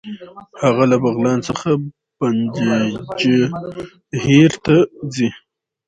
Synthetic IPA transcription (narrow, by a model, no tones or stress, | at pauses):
haɣalabaɣlɑnt͡səxa | b̥and̪ed͡ʒe | heɾt̪ad͡zi